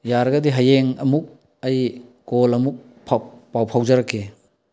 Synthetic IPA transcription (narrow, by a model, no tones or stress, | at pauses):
jaɾɡɐdiɦɐjeŋɐmuk̚ | ɐjkolɐmuk̚ | pʰapawpʰawzɐɾɐkʰːe